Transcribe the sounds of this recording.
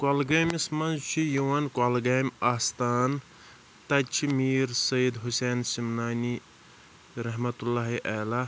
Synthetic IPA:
kolɡɐːmismɐnzt͡ʃʰijuwɐnkalɡaːjmaːst̪aːn | t̪ɐt͡ʃʰimiːɾsɐid̪ɦuseːnsimnaːni | ɾɐɦmɐt̪ulːaːɦiʔala

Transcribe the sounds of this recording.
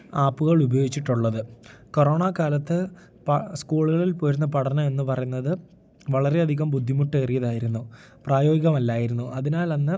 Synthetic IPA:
aːpːuɣɐɭubɐjo̞ːɡit͡ɕːiʈːuɭːɐðɨko̞roːɳaːkaːlɐt̪ːɨ | pskuːɭuɣɐɭilpoːɾunːɐpɐɽɐnɐme̞nːɨpɐrɐjunːɐðɨ | ʋɐɭɐɾe̞ɐd̪ʱiɣɐmbud̪ʱːimuʈːɨerijɐðaːjiɾunːu | praːjo̞ːɡiɣɐmɐlːaːjiɾunːuʔɐðinaːlɐnːɨ

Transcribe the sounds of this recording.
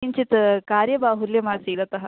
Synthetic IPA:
iɲt͡ʃit̪kaːɾjɐbaːɦuljɐmaːsiːd̪ɐt̪ɐɦɐ

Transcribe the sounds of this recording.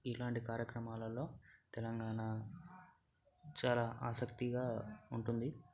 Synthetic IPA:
ilaːɳʈikaːɾjɐkɾɐmaːlɐlo̞ːt̪ɛlɐŋɡaːna | t͡ʃaːlaːʔaːsɐkt̪iɡaːuɳʈund̪i

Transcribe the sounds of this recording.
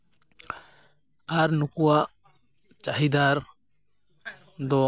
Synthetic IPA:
aɾnukua | t͡ʃaɦid̪aɾ | d̪o

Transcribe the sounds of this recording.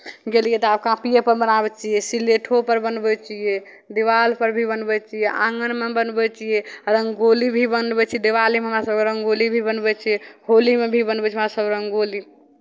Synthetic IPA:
ɡelijet̪ɔab̚kãpijepəɾbənabɛt͡ʃʰijɛsileʈʰopəɾbənbɛt͡ʃije | d̪iʋalpəɾbʱibənbɛt͡ʃʰijeʔãŋənmebənbɛt͡ʃijeɾəŋɡɡolibʱibənbɛt͡ʃʰid̪iʋalimeɦəmɾasəb̚keɾəŋɡɡolibʱibənbɛt͡ʃʰijeɦolimebʱibənbɛt͡ʃʰiɦəmɾasəbɾəŋɡoli

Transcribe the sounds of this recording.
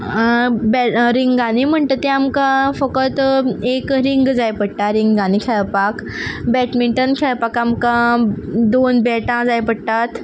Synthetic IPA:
bɛɾiŋɡãnim̤əɳʈ̪ət̪eamkãfəkət̪ekɾiŋɡd͡zajpəɽʈaɾiŋɡɡãnikʰaɭpak | bɛʈmiɳʈənkʰɛɭpakamkã | d̪onbɛʈãd͡zajpəɽt̪at̪

